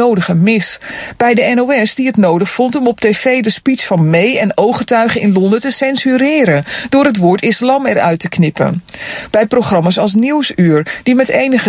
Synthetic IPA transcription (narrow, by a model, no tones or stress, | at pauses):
owdəχəmɪsb̥ɛjdəɛnowɛsdiətnowdəχfɔntɔmɔp̚tejfejdəspitsfɑnmejɛnowχətœɥχənɪnlɔndətəsɛnsyɾɪːɾəd̥ʊːɾət̬ʋʊːɹtɪslɑmɛɾœ̰ɥtəknɪpə̰nb̥ɛjprowχrɑmasɑlˠs̬niwsyːɹd̥imɛtejnəχə